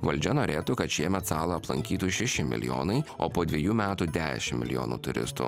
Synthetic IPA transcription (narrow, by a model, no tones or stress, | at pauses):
ʋɐlʲd͡ʒʲɛnoːɾʲeːt̪ukɐt̪ʃʲiɛmʲɛt̪sɑːlˠɐɐplˠɐ̰ŋʲkʲiːt̪uːʃʲɛʃʲɪmʲɪ̰lʲɪ̰jo̰ːnɐɪo̰ːpoːd̪ʲʋʲiɛjuːmʲæːt̪uːd̪ʲæ̰ːʃʲɪmːʲɪ̰lʲɪjo̰ːnṵːt̪ʊɾʲɪ̰st̪ṵ